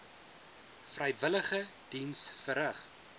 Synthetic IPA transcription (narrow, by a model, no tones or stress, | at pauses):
frəjvələχəd̥insfəɾəχ